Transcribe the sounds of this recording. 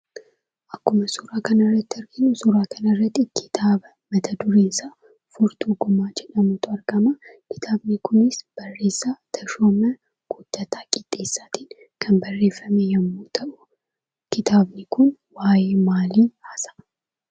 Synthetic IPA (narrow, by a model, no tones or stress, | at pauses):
ʔɐkːʊmɐsʊɾaːkɐnɐrːɐt̪ːɪɐɾɡɪnʊsʊɾaːkʰɐnɐrːɐt̪ːɪkʰɪ̥t̪ʰaːbɐ | mɐt̪ʰɐd̪ʊɾeːnsaː | fʊɾt̪uɡɔmaːd͡ʒɛᶑɐmʊt̪ʰʊɐɾɡɐmakɪ̥t̪ʰaːbnɪkʰʊnɪsb̥ɐrːe̞ːsːat̪ʰɐʃoːmɐ | ɡ̥ʊd̪̥ːɐt̪ʰaːkʼɪd̪̥ʼːe̞ːsːaːt̪in | kʰɐmbɐrːe̞ːfːɐmejɐmːuːt̪ʰɐʔʊ | kɪt̪ʰaːbnɪkʊnwaːjeːmaːliːhaːsɐ̥